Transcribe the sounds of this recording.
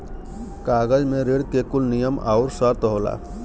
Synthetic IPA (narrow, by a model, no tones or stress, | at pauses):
kaɡəd͡ʒmeɾeɽkekulnijəma̰ʊɾsəɾt̪ɦola̰